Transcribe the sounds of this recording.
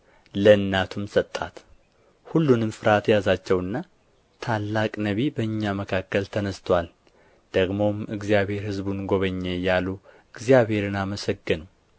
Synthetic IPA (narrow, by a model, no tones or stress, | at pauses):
ləɨnːat̪ʰumsət̪ʼːat̪ | hulːunɨmfɨɾat̪jazat͡ʃːɛwɨnːa | t̪ʰalːakʼnəβibəɨɲːaməkʰakːəlt̪ʰənəst̪ʰwal | d̪̥əɡmo̞mɨɡzijaβhe̞ɾhɨzbunɡo̞βəɲːejalu | ɨɡzijaβhe̞ɾɨnaməsəɡːɨn